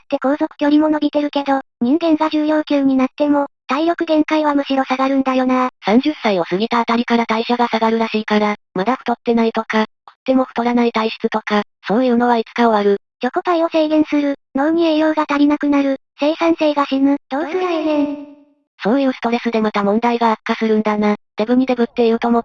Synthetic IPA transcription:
t̪ːe̞ko̞ːzo̞kɯ̟̥kʲo̞ɾʲimo̞no̞bʲit̪e̞ɾɯ̟ke̞d̪o̞ɲ̟ĩŋɡẽ̞ŋɡaʑɨːjo̞ːkʲɨːɲ̟inat̪ːe̞mo̞t̪aiɾo̞kɯ̟ɡẽ̞ŋkaiβ̞amɯ̟ɕiɾo̞saɡaɾɯ̟̃nd̪ajo̞nasãɲ̟d͡ʑɨsːaio̞sɨɡit̪at̪aɾʲikaɾat̪aiɕaɡasaɡaɾɯ̟ɾaɕiːkaɾamad̪aɸɯ̟t̪o̞t̪ːe̞nait̪o̞kat̪o̞̥t̪ːe̞mo̞ɸɯ̟̥t̪o̞ɾanait̪aiɕi̥t͡sɨ̥t̪o̞ka | so̞ːjɯ̟ːno̞βait͡sɨ̥kao̞aɾɯ̟ | jʲo̞kot̪aio̞se̞ːɡẽ̞ɰ̃sɨɾɯ̟no̞ːm̟iejo̞ːɡat̪aɾʲinakɯ̟naɾɯ̟ | se̞ːsãɰ̃se̞ːɡaɕinɯ̟t̪o̞ːsɯɾainẽn | so̞ːjɯ̟ːsɨ̥t̪o̞ɾe̞sɨd̪e̞mat̪amõ̞nd̪aiɡaːkːasɨɾɯ̟̃nd̪anat̪e̞bɯ̟m̟ʲid̪e̞bɯ̟t̪ːe̞iɾɯ̟t̪o̞mo̞

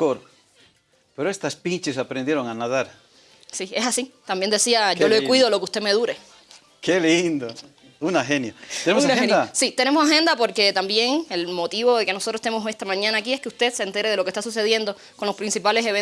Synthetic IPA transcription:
oɾ | peɾoest̪aspit͡ʃesapɾend̪je̞ɾoŋanaðaɾ | sie̞sasit̪ambjend̪e̞siaʝolekwiðolo̞keust̪e̞me̞ðuɾe | kelind̪o | unaxenjoeneonaeasit̪e̞ne̞mosaɦẽ̞nd̪apo̞ɾke̞t̪ambjeŋelmo̞t̪iβo̞ðe̞ke̞nosot̪ɾost̪nemosest̪amãɲãnaːkie̞hkeust̪e̞d̪sent̪e̞ɾeð̞elokest̪as̬us̬e̞ðje̞nd̪o̞ | ko̞nlo̞spɾinsipale̞seβen

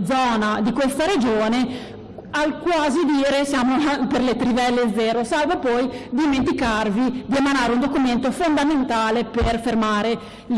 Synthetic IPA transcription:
d̪zɔːnad̪ikwest̪aɾed͡ʒoːne | alkwaːzid̪iːɾesjaːmoaperlet̪ɾivɛlːed̪zːɛːɾosalvepɔjd̪iment̪ikarvid̪iemanaːɾeund̪okument̪ofond̪ament̪aːleperfermaːɾe

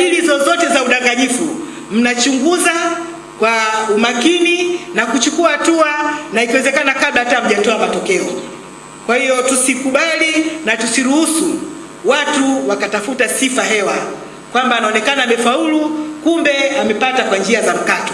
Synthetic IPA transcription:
ilizɔzɔtɛzauɗaŋɡaɲifu | m̩nat͡ʃuŋɡuza | kwaumakininakut͡ʃukuahatuanaikiwɛzɛkanakaɓlatam̩ʄatɔamatɔkɛɔ | kwahijɔtusikuɓalinatusiɾuhusu | watuwakatafutasifaɦɛwa | kwambaːnaɔnɛkanamɛfaulukumbɛamɛpatakwaɲd͡ʒiazam̩katɔ̥

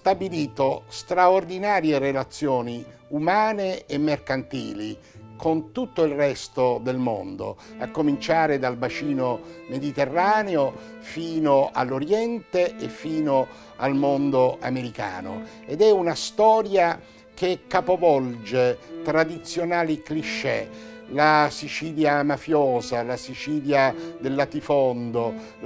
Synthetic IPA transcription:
st̪abiliːt̪ost̪ɾaord̪inaːɾjerelat̪sːjɔːni | umaːneemːerkant̪ḭːli | kont̪ut̪ːoilrɛst̪od̪elmo̰nd̪o̰akːomint͡ʃaːɾed̪albat͡ʃiːnomed̪it̪erːaːneo | fiːnoa̰lːoɾjɛnt̪eefːiːno | almond̪oa̰meɾika̰ːno̰ | ed̪ɛunast̪ɔːɾja | kekːapovɔld͡ʒet̪ɾad̪it̪sːjonaːlikliʃːɛlasit͡ʃiːljamafjɔːzalasit͡ʃiːljad̪elːat̪ifɔnd̪o

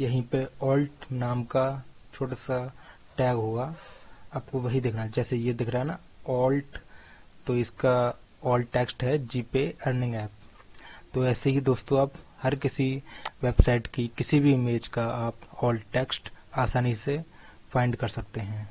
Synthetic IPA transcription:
jɐɦĩpeɔːlʈnaːmkat͡ʃʰoːʈasa | ʈɛːɡɦoːɡaaːp̚koʋɐɦid̪ɪːkʰɾaɦɛd͡ʒɛːsejed̪ɪːkʰɾaɦɛna | ɔːlʈt̪oɪska | ɔːlɖʈɛːksʈɦɛd͡ʒiːpeɐɾnɪ̃ŋɡɛːp̚ | t̪oɛːseɦid̪oːst̪õaːphɐɾkɪsiʋeːbsaɪʈkikɪsibʱimeːd͡ʒkaaːpɔːlʈʈɛːksʈaːsaːnise | fʰãːɪ̃ɳɖkɐɾsɐk̚t̪eɦɛ̃ː

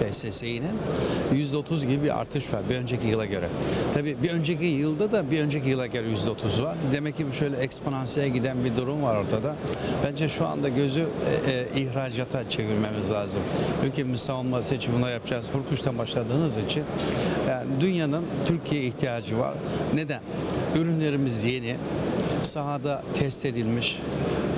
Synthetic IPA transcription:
esesejininjyzd̪ɛo̞t̪ʰuzɡɟibibiɾa̰ɾt̪ʰɯʃvaɾbiø̞nd͡ʒe̞cijɯlˠaɟø̞ɾɛt̪ʰabiːbiø̞nd͡ʒecijɯlˠd̪ad̪abiø̞nd͡ʒecijɯlˠaɟø̞ɾɛjyzd̪ɛot̪ʰuzvaɾd̪e̞mɛc̚cːɟibiʃø̞jlʲɛɛkspʰonansijaɟid̪ænbid̪uɾumvaɾo̞ɾt̪ʰad̪ab̥ænd͡ʒɛʃua̰nd̪aɟø̞zyːʔiçɾaːd͡ʒaːt̪ʰat͡ʃʰe̞viɾme̞mizlʲaːzɯmt͡ʃʰycimɯsaolˠmaset͡ʃʰimbunˠaɾjap̚d͡ʒazkuɾkʰuʃt̪ʰanbaʃlˠad̪ɯːnɯzit͡ʃʰinjand̪ynjanɯnt̪ʰyɾcʰijɛiçt̪ʰijaːd͡ʒɯva̰ɾne̞d̪ænyɾynlʲe̞ɾimizje̞ni | saɦad̪at̪ʰɛst̪e̞d̪ilʲmiʃ

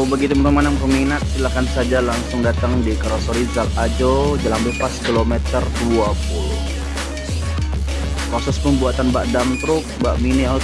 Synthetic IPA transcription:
aubaɡit̪uməɾumanaŋpərminat̪̚silakansad͡ʒalaŋsʊŋdat̪aŋdikaɾosɔɾizalad͡ʒod͡ʒəlambepaskilomɛt̪ərt̪uapulʊ̰h | kosɔspəmbuat̪anbaʔdamt̪ɾʊk̚baʔminia

